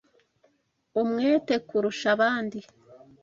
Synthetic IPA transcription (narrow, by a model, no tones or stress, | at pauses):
umŋeːte̞kuɾuʃaβaːndi